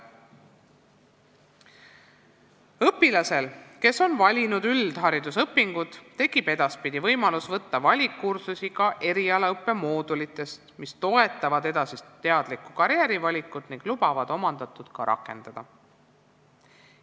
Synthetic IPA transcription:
ɤpːilɑse̞lke̞so̞nvɑlʲinud̪yld̪̥ɦɑɾid̪usɤpːiŋɡ̥ud̪̥ːe̞kib̥e̞d̪̥ɑspid̪̥ivɤjmɑlusvɤt̪ːɑvɑlʲikːursusikɑʔe̞ɾiɑleɤpːe̞mo̞ːd̪ulit̪ːˑe̞st̪mist̪o̞e̞t̪ːˑɑvɑd̪e̞d̪̥ɑsist̪ːe̞ɑd̪̥likːˑukɑɾjeɾivɑlʲikːˑud̪̥niŋɡ̥lub̥ɑvɑd̪̥o̞mɑnd̪̥ɑt̪ːˑud̪̥kɑɾʔɑ̰kːˑe̞nd̪̥ɑd̪̥ɑ

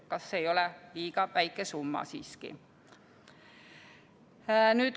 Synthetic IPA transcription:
kɑsːeejo̞lɛliːɡ̥ɑvæjkːˑesumːɑ̰siːskḭ | nyːt̪

